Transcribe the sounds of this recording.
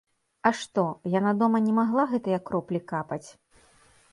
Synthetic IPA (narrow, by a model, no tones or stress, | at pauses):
ɐʂt̪ɔjanad̪ɔmɐnʲɛmaɣlˠaɣɛt̪ɨjɐkːɾɔplʲikapɐt͡sʲ